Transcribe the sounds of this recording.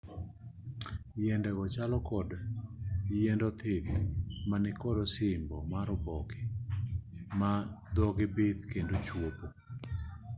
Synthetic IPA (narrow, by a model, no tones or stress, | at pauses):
jɛndɛɡɔt͡ʃalɔkɔd | jɛndɔt̪ʰɪt̪manɪkɔdɔsɪmbɔmaɾɔbɔkɪ | mad̪ɔɡɪbet̪kendot͡ʃwop̪o